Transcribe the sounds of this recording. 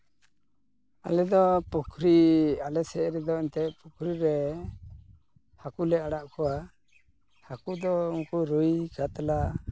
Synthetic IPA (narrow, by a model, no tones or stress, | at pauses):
a̰lɛd̪ɔpukʰɾialɛsɛʔɾɛd̪ɔɛnt̪ɛpukʰɾiɾɛ | hakulɛaɽaʔkɔwa | hakud̪ɔuŋkuɾujkat̪ala